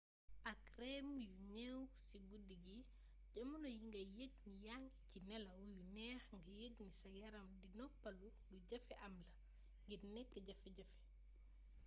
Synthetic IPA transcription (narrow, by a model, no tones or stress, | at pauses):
ʔakɾɛmjunɛwsiɡudiɡi | ɟɐmunojiŋɡɐjəɡnijaŋɡicinɛlɐwujunɛːxŋɡɐjəɡnisɐɡɛɾɐmdinɔpːɐlu | duɟɐfɛʔɐmlɐ | ŋɡiɾnɛkːɛɟafɛɟɐfɛ̥